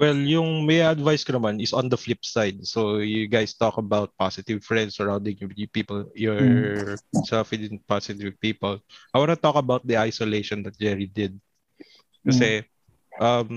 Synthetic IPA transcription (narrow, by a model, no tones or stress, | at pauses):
wɛljʊŋmɐjɐd̪vajskɐnɐmanɪsɔ̃nd̪ɐflɪpsajd̪̚sojʊɡajst̪ɔkɐbawt̪̚pasɪt̪ɪvfɹɛ̃nd̪sɐɹawnd̪ɪ̃ŋjjpiːpɔljɔɹ | sɛlfɪd̪ɪn̚pasɪt̪ɪvpiːpɔlʔajwanɐt̪ɔkɐbawt̪̚d̪iʔajsɔlejʃɔnd̪ɐt̪̚d͡ʒɛɹid̪ɪd̪̚ | kɐsɛ | ʔɐm